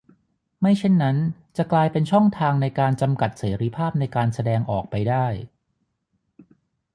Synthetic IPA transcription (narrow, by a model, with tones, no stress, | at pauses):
ma˥˩jt͡ɕʰe˥˩nːa˦˥nt͡ɕa˨˩klaː˧jpe˧nt͡ɕʰɔ˥˩ŋt̪ʰaː˧ŋna˧jkaː˧nt͡ɕa˧mka˨˩t̪̚seː˩˦ɾi˦˥˩pʰaː˥˩p̚na˧jkaː˧nsa˧dɛː˧ŋʔɔː˨˩k̚pa˧jdaː˥˩j